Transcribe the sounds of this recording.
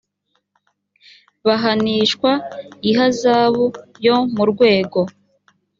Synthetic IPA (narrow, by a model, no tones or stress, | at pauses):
βaɦaniːʃkwaiɦazaːβujo̞muɾɡwe̞ːɡo̞